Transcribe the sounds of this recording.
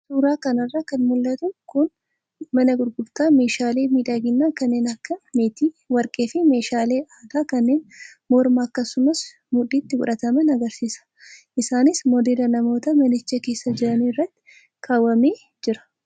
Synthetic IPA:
suːɾaːkɐnɐrːaːkɐnmʊlːɐt̪ʊkʊn | mɐnɐɡʊɾɡʊbt̪aːme̞ːʃaːle̞ːmiːᶑɐɡɪnːaːkɐnːe̞ːnɐkːɐmeːt̪iː | wɐɾkʼe̞ːfɪme̞ːʃaːle̞ːʔaːd̪aːkɐnːe̞ːnmɔɾmaːkːɐsːʊmɐs | mʊᶑiːt̪ːɪɡʊᶑɐt̪ɐmɐnɐɡɐɾsiːsɐ̥ | ʔɪsaːnɪsmɔd̪eːlɐnɐmo̞ːt̪ɐmɐnɪt͡ʃːɐke̞ːsːɐd͡ʒɪɾɐniːrːɐt̪ːɪ̥ | kʰaːwːɐmeː | d͡ʒɪɾɐ̥

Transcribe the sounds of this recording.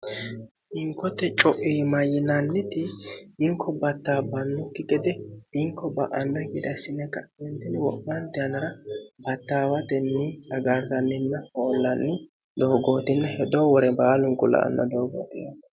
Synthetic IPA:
ɪŋkːɔt̪ːɛt͡ʃʼɔʔimɐjːɪnɐnːɪt̪ɪɪŋkʰːɔbɐt̪ːaːbɐnːʊkːɪɡɛd̪ɛɪŋkʰːɔbɐ̰ʔɐnːɐɡɪd̪ɐsɪnːɛkːɐɛnt̪ɪnɪwɔʔbɐnt̪ɪɐnɐɾɐbɐt̪ːaːwɐt̪ɛnːiːɐɡaɾzɐnːɪnːɐhoːlːɐnːɪ | d̪o̞ːɡo̞ːt̪ɪnːɛhɛd̪owɔɾɛbaːlʊŋɡʊlɐ̰ʔɐ̰nːɐ̰d̪oːɡo̰ːt̪ɪjat̪

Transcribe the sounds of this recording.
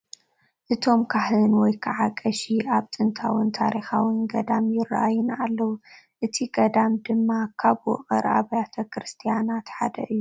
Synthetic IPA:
ʔɨt̪ʰo̞mkʰaħɨnwɔjkʰaʕakʼːɐʃiʔaβt̪ʼɨnt̪ʰawɨnt̪ʰaɾixawɨnɡɐd̪amjɪrːa̰ʔajɪnalːɐwu | ʔɨt̪ʰiɡɐd̪amd̪ɨmːakʰaβwɔ̰χʼɐ̰ɾʔa̰βajat̪ʰɐkɾɨst̪ʰijanat̪ħa̰d̪ɐ̰ʔɨjːu

